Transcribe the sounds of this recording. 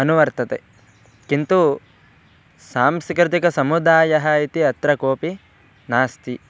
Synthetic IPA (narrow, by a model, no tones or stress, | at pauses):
ɐnuʋɐɾt̪ɐt̪e | kint̪u | saːmsikɾɪt̪ikɐsɐmud̪aːjɐɦɐit̪iɐt̪ɾɐkoːpi | naːst̪i